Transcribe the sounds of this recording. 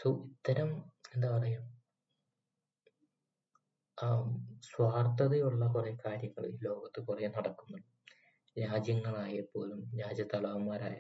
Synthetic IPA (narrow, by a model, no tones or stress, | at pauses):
suit̪ːɐɾɐme̞nd̪apɐrɐjum | swaːrt̪ɐðejuɭːɐkurekaːɾjɐŋːɐɭiːlo̞ːɡɐt̪ːɨkurenɐɽɐkːunːɐ | ɾaːd͡ʑjɐŋːɐɭaːjepːo̞ːlumɾaːd͡ʑɐt̪ːɐɭɐʋɐmːaːɾa̰ːjɐ